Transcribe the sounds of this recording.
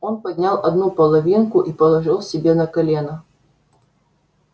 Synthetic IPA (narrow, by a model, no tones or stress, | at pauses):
onpɐdʲnʲalˠɐd̪nupɐlˠɐvʲinkʊʔipəlˠɐʐɨlˠsʲɪbʲenɐkɐlʲenɐ